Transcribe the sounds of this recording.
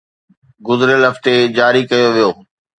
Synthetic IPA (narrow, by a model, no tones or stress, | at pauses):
ɡʊzɪɾəlɦɐft̪ed͡ʑaːɾikɐjoʋijoː